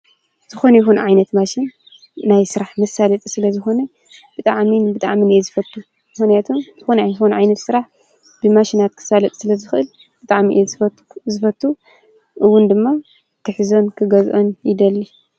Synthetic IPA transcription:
z̥ɨxo̞nɐjɪxunʕajnɐt̪maʃinː | ajsɨɾaħmɐsalɐt̪ʼsɨlɐzɨxo̞nɐ | b̥ɨt̪ʼaʕmibɨt̪ʼa̰ʕminezɨfɐt̪ʰːu | mɨxnijat̪ʰomz̥ɨxonajxunʕajnɐt̪sɨɾaħ | b̥ɨmaʃinat̪̚kʰɨ̥salɐt̪ʼsɨlɐzɨxʔɨl | b̥ɨt̪ʼaʕmiʔzf | zɨfɐt̪ʰːu | ʔɨwːʊnd̪ɨmːa | t̪ʰɨħɨzo̞nkʰɨɡɐzʔonjɪd̪ɐlːi

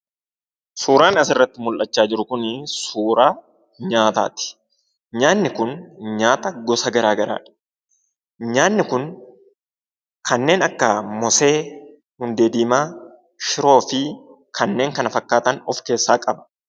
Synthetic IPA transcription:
suːɾaːnɐsɪrːɐt̪ːɪmʊlʔɐt͡ʃːaːd͡ʒɪɾʊkʊnɪsuːɾaː | ɲaːt̪a̰ːt̪ɪ̥ | ɲaːnːɪkʊnɲaːt̪ɐɡɔsɐɡɐɾaːɡɐɾa̰ːᶑɐ̥ | ɲaːnːɪkʊn | kʰɐnːe̞ːnɐkːɐmɔse̞ː | hʊnd̪eːd̪iːmaː | ʃɪɾo̞ːfɪ | kʰɐnːe̞ːŋkɐnɐfɐkːaːt̪ɐnɔfke̞ːsːaːkʼɐbɐ̥

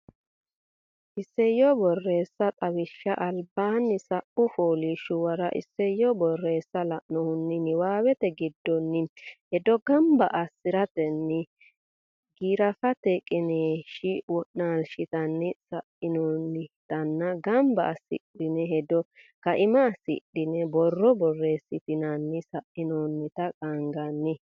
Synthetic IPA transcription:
ʔɪsːɛjɔbɔrːe̞ːsːɐt̪ʼɐwɪʃːɐʔɐlbaːnːɪsɐʔʊfoːliʃʊwɐɾɐʔɪ̰sːɛjɔbɔrːe̞ːsːɐlɐʔnɔhʊnːɪnɪwaːwɛt̪ɛɡɪd̪ːɔnːɪhɛd̪ɔɡɐmbɐʔɐsːɪɾɐt̪ɛnːɪ | ɡiːɾɐfɐt̪ɛkʼɪneːʃɪwɔʔnaːlʃɪt̪ɐnːɪsɐʔɪnoːnːɪt̪ɐnːɐɡɐmbɐ̰ʔːsɪ̰ɗɪnɛɦɛd̪ɔ | kɐʔɪmɐːsɪ̰ɗɪnɛbɔrːɔbɔrːe̞ːsːɪt̪ɪnɐnːɪsɐʔɪnoːnːɪt̪ɐkʼɐŋɡɐnːɪ

